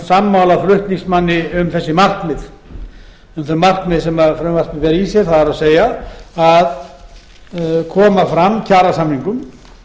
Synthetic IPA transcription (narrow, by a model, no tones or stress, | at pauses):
samːawlaflʏht̪niŋsmanːɪʏmθɛsːɪmar̥knmɪð | ʏmθœmar̥knmɪðsɛmafɾœmvar̥t̪mɪvɛːɾisjɛɾ̥θaðaɾawseːjaað | kʰɔːmafɾamːcʰaːɾasamniŋkʏm